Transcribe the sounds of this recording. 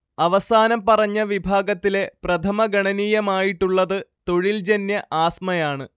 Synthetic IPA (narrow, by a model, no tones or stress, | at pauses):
ɐʋɐsaːnɐmpɐrɐɲːɐʋibʱaːɡɐt̪ːile̞prɐt̪ʰɐmɐɡɐɳɐniːjɐmaːjiʈːuɭːɐðɨt̪o̞ɻild͡ʑenjɐʔaːsmɐjaːɳɨ